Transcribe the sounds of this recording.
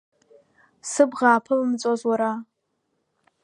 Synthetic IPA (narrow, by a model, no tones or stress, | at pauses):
sɨbʁaːpʰɨlmt͡sʼazwaɾa